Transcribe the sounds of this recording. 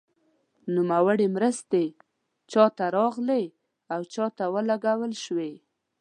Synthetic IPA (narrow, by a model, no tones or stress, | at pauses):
numawəɽemɾəst̪e | t͡ʃɑt̪aɾɑɣle | awt͡ʃɑt̪awəlaɡawəlʃwe